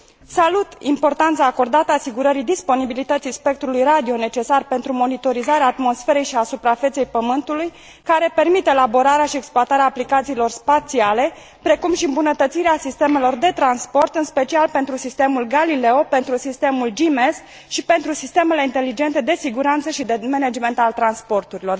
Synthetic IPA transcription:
salut̪impo̞rt̪ant̪saːko̞rd̪at̪əasiɡuɾəɾid̪ispo̞nibilit̪ət̪sispe̞k̚t̪ɾulujrad̪io̞ne̞t͡ʃe̞sarpe̞nt̪ɾumo̞nit̪o̞ɾizaɾeaːt̪mo̞sfe̞ɾe̞jʃiasupɾafe̞t̪se̞jpəmɨnt̪uluj | kaɾe̞pe̞rmit̪elabo̞ɾaɾeaʃieksploat̪aɾeaːplikat̪siːlo̞rspat̪siale̞ | pɾe̞kumʃiɨmbunət̪ət̪siɾeasist̪e̞me̞lo̞rd̪e̞t̪ɾanspo̞rt̪ɨnspe̞t͡ʃialpe̞nt̪ɾusist̪e̞mulɡalile̞ope̞nt̪ɾusist̪e̞muld͡ʒime̞s | ʃipe̞nt̪ɾusist̪e̞me̞le̞int̪e̞lid͡ʒe̞nt̪e̞d̪e̞siɡuɾant̪səʃid̪emened͡ʒme̞nt̪alt̪ɾanspo̞rt̪uɾilo̞r

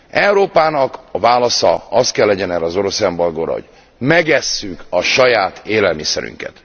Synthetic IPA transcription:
ɛwɾoːpaːnɒkɒvaːlɒsɒ̰ɒst̪̚kɛlːɛɟɛnɛːɾɛːzo̞ɾo̞sɛmbɒlɡoːɾɒ̰ɦo̰ɟ̥ | mɛɡɛsːykɒʃɒjaːt̪ʰeːlɛlmisɛ̰ɾy̰ŋkɛ̰t̪

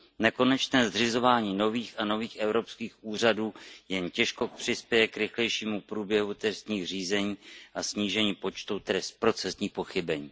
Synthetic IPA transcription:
nɛko̞nɛt͡ʃnɛːzd̪r̝ɪzo̞vaːɲiːno̞viːxʔano̞viːxʔɛvɾo̞pskiːxʔuːr̝aduːjɛncɛʃko̞pr̝̥ɪspjɛjɛkɾɪxlɛjʃiːmupɾuːbjɛɦut̪ɛst̪ɲiːxr̝iːzɛɲiːʔasɲiːʒɛɲiːpo̞t͡ʃt̪ut̪ɛspɾo̞t͡sɛsɲiːxpo̞xɪbɛɲiː

